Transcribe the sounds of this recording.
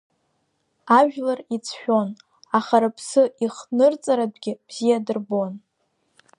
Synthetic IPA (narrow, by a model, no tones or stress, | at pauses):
aʒᶣlarit͡sʰħᶣo̞n | aχaɾapʰsɨiχnɨrt͡sʼaɾadʷɡʲɪb̥z̥ijadɨrbo̞n